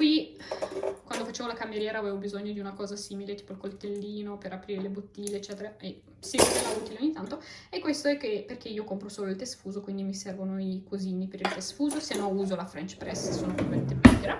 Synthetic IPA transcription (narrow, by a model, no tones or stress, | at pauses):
kwi | kwand̪ofat͡ʃeːvolakamːjeɾjɛːɾaːveːvobizoɲːod̪iunakɔːzasiːmilet̪iːpoilkolt̪elːiːnopeɾapɾiːɾelebot̪ːiːleːt͡ʃːɛːt̪eɾae | sikelauːt̪ileoɲːit̪ant̪oekːwest̪oɛkːeperk̟eiːokompɾosoːloilt̪esfuːzokwind̪imisɛrvonoikoziːnipeɾilt̪esfuːzosienouːzolafɾɛnt͡ʃpɾɛssoːnopvament̪ebɛdɾa